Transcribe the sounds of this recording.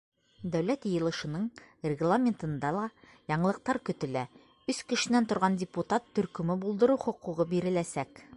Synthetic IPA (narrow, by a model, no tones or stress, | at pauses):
d̪æwlæt̪jɤ̆jɤ̆lˠɤ̆ʃɤ̆nɤɴrʲɪɡlˠamʲent̪ɤ̆nd̪ɑlˠɑ | jɒɴɤ̆lˠɤ̆q̚t̪ɑɾkɵ̆t̪ɘ̆læ | ʉskɘ̆ʃɘ̆nænt̪ŏɾʁɑndʲɪput̪at̪ːɵ̆ɾkɵ̆mɘbulˠd̪ɤ̆ɾuχŏquʁɤbiɾɘ̆læsæk